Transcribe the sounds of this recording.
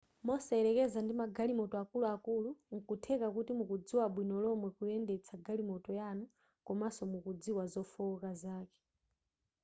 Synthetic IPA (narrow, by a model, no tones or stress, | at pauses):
mɔsɛɛɾɛkɛzandimaɡalimɔtɔakuluakuluŋ̩kutʰɛkakutimukud͡ziwaɓwinɔlɔmwɛkuɛndɛt͡sʰaɡalimɔtɔjanu | kɔmasɔmukud͡ziwazɔfukazaːkɛ̥